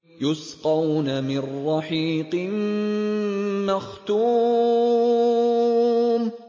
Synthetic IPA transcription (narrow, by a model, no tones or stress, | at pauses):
jʊsqɑwnamɪrːɑħiːqɨn | maxt̪uː | m